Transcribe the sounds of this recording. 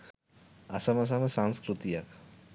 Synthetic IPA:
asamɐs̬amesaŋskɾut̪ijak

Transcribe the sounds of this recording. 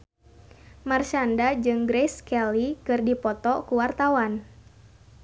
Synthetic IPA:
mart͡ʃandad͡ʒɨŋɡɾɛskɛlikɨrdipɔt̪ɔkuwart̪awan

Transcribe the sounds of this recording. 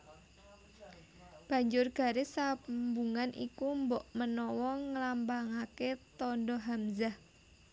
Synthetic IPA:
b̥ä̤ɲd͡ʒʊrɡ̥a̤ɾesambuŋanʔḭkumbɔʔmənɔwɔŋəlambaŋaket̪ɔndɔɦamzah

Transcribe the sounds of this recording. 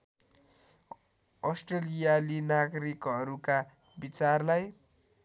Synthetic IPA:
ʌsʈrelijalinaɡɾikɦʌɾuka | bit͡sarlaj

